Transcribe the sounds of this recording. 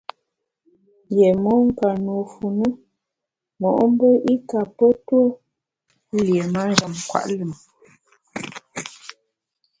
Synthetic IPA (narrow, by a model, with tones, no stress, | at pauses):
je˨mɔ˦ŋ̩˦ka˨nu˨fu˨nu˦ | mɔ˨ʔm̩˦bə˦ʔi˦ka˨pə˦two˦ | lje˨ma˦n˦ɡa˨mkwa̰˨ʔlə˨m